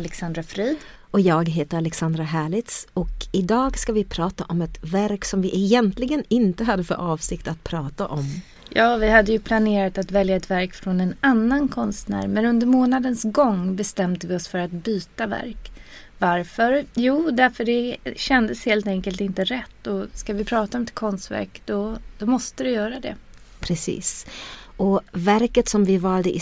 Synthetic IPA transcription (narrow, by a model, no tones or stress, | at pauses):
alɛksand̪ɾafɾiːd̪ | ɔjɑːɡɦeːt̪əɾalɛksand̪ɾaɦæːɭɪt̪sɔkɪd̪ɑːɡskavɪpʰɾɑːt̪aʔɔmɛt̪væɾksɔmvɪʔɛjɛnt̪lɪɡənɪnt̪əɦad̪ːəfœ̰ɾʔɑːvsɪkt̪at̪̚pʰɾɑːt̪aʔɔm | jɑːvɪhad̪ːəjɵpʰlaneːɾat̪at̪vɛljaɛt̪væɾkfɾɔnɛnanːankʰɔnst̪næ̰ːɾmɛnɵnd̪əɾmoːnad̪ənsɡɔŋːbɛst̪ɛmd̪əvɪɔsfœɾat̪̚byːt̪avæ̰ɾk | vaɾfœɾjuːd̪æɾfœɖɛɕɛnd̪əsheːlt̪ɛŋkəlt̪ɪnt̪əɾɛt̪ːɔskavɪpʰɾɑːt̪aɔmɛt̪̚kʰɔnst̪væ̰ɾkd̪̥ɔd̪̥ɔmɔst̪əvɪjœːɾad̪ɛ̰ | pʰɾɛsḭːsʔɔvæɾkət̪sɔmvɪvɑːld̪əʔɪ